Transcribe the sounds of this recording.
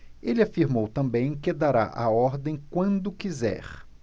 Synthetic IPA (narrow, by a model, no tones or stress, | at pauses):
elɪafiɾmowt̪ɐ̃mbẽj̃kɪd̪aɾa̰ʔa̰ɔɾd̪ẽj̃kwɐ̃nd̪ʊkizɛ̰ɾ